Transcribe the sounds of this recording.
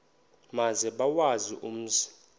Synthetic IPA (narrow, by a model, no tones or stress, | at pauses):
mazɛɓawaziʔum̩ːzi